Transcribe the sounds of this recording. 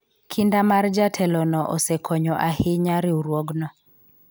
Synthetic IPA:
kʰindamard͡ʒatʰɛlɔnɔʔosɛkʰɔɲɔʔahɪɲaɾɪuɾwɔɡnɔ

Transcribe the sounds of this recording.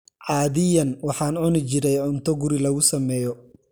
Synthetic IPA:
ʕɑːðɪjɐnwɑħɑːnʊnɪt͡ʃɪɾɛjʕʊnt̪ʰɔɡʊɾɪlɐɣʊsɐmɛːjɔ

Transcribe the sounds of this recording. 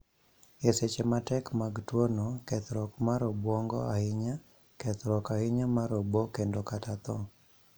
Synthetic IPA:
eset͡ʃematɛkmaɡtwonokɛt̪ɾɔkmaɾɔbwɔŋɡɔ̰aɪɲa | kɛt̪ɾɔkaɪɲamaɾɔbɔkendokatat̪ɔ

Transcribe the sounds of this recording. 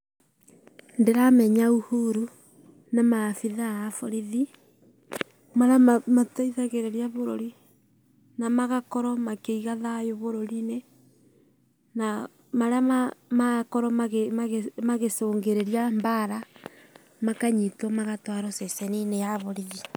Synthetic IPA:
ndeɾamɛɲauhuɾu | namafiðaːfoɾiði | maɾamamataiðaɣeɾeɾjaβoɾo̰ɾi | namaɣakɔɾɔmakeiɣaðajoβoɾoɾine | na | maɾaamakɔɾɔmaɣeaɣemaɣesoːŋɡeɾeɾjambaɾa | makaɲitɔmaɣatwaɾɔsɛsɛninejaβoɾiɣi

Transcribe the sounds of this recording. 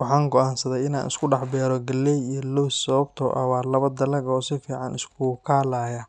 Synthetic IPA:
wɑħɑːŋɡɔʔaːnsɐðɛjɪna̰ːnɪ̰skʰʊɖɑħbɛːɾɔɡɐlːɛjijɔlɔwssɐβɐbt̪ʰɔ̰ʔɐ̰waːlɐβɐd̪ɐlɐɡɔːsɪfiːʕɑnɪskʰukʰaːlaːja

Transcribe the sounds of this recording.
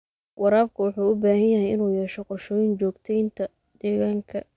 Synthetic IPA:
wɑɾaːb̚kʰʊwʊħuːʊbaːɦɐnjɐɦɛjɪnuːjɛːʃɔqɔʃɔːjɪnt͡ʃɔːɡt̪ʰɛjnt̪ʰɐ | d̪̥ɛːɣaːŋkʰɐ

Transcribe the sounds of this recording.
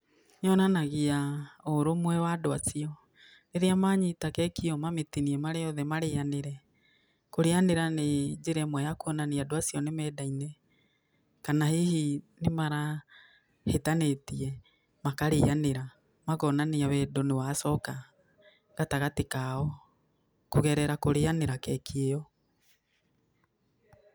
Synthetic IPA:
ɲɔnanaɣiaoɾomwɛwadoasiɔ | neɾeamaɲitakɛkiɔmametiniɛmaɾejɔðɛmaɾejaneɾɛ | koɾeaneɾaned͡ʒeɾɛmwɔjakoɔnaneadwasiɔnemɛːdainɛ | kanahihinemaɾa | hetanetiɛ | makaɾeaneɾa | maɣɔnaneawɛdonewasɔka | ɣataɣatekaɔ | koɣɛɾɛɾakoɾeaneɾakɛkʰeɔ

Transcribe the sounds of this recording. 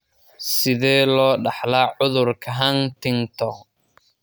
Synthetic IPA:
sɪðɛːlɔːɖɑħlaːʕʊðʊrkʰɐɦɐnt̪ʰɪŋt̪ʰɔ

